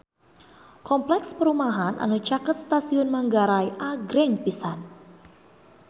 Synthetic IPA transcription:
kɔmplɛkspəɾumaɦanʔa̰nut͡ʃakət̪̚st̪asiʊnmaŋɡaɾajʔaɡɾɛŋpisan

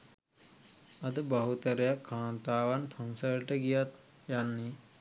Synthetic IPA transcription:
ɐd̪əbɐɦut̪əɾjakʰːaːnt̪aːʋanpʰɐnsəɾʈəɡijat̪ | janːi

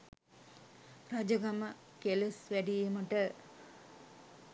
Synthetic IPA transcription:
rad͡ʒɐɡamə | kelesʋæɖijeməʈə

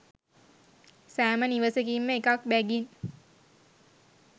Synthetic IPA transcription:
sæːməniʋəsəkimːəekak̚bæɡin

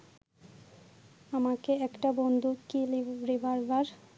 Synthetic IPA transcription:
amakeɛkʈabond̪ʱukiliɾibaɾbaɾ

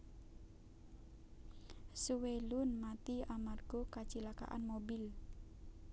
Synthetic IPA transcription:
suwelʊnmat̪iamarɡ̥ɔkat͡ʃilaka̰ʔa̰nmobɪl

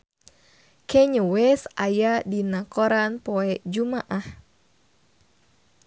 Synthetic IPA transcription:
kʰɛɲuwɛsajadinakɔɾanpɔɛd͡ʒumaʔah

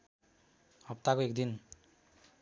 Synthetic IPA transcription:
ʌp̚t̪akoek̚d̪in

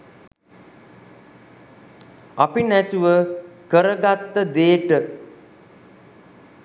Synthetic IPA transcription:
apinæt̪uʋəkəɾəɡat̪ːəd̪eːʈə

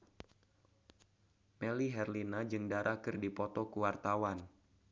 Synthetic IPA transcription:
mɛliɦɛrlinad͡ʒɨŋdaɾʔakɨrdipɔt̪ɔkuwart̪awan

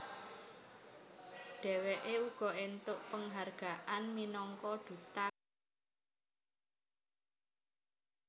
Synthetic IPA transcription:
ɖ̥ɛ̤weʔeuɡ̥ɔ̤ent̪ʊʔpəŋɦarɡ̥a̤ʔanminɔŋkɔɖ̪̥ṳt̪a

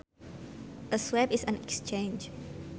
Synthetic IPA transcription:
ʔəswɛpisãnɛkst͡ʃẽnd͡ʒ

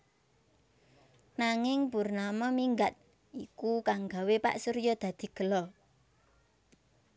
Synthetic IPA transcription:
naŋɪŋpurnamɔmiŋɡat̪̚ | ʔikukaŋɡa̤wepa̰ʔsuɾjɔd̪̥ä̤d̪̥i̤ɡ̥ə̤lɔ

